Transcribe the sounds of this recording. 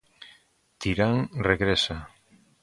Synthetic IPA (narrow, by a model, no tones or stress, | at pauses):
t̪iɾaŋreɣɾesa